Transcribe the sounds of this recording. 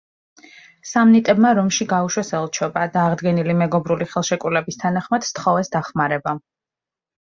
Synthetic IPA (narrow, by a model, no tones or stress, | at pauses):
samnit̪ʼɛbmaɾɔmʃiɡauʃwɛsɛlˠt͡ʃʰɔbad̪aːʁd̪ɡɛnilimɛɡɔbɾuliχɛlˠʃɛkʼulɛbist̪ʰanaχmad̪̥st̪ʰχɔvɛsd̪aχmaɾɛba